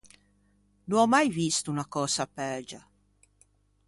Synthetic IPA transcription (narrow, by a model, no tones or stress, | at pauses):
nuɔmajvist̪unakɔːsapɛd͡ʒa